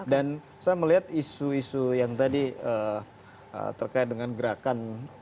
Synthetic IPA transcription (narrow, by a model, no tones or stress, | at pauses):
dan | sajaməliɦat̪isuisujaŋt̪adiə | ə̰t̪ərkaɪt̪̚dəŋanɡəɾakan